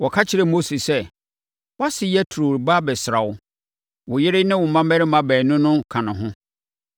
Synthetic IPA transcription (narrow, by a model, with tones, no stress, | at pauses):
wɔ˨kʰa˦t͡ɕʰɪ˨ɾɛ˨mo˦si˨sɛ˦ | wa˦sɪ˨jɛ˦tʰu˨ɾo˨ɾba˦bɛ˨sɪ˨ɾa˨wʊ˦ | wʊ˨jɪ˦ɾɪ˦nɪ̃˦wʊ˨mã˦mɛ˦ɾɪ˦mã˦bɛː˨nʊ̃˦nʊ̃˦kʰã˨nʊ̃˨ɦʊ̃˦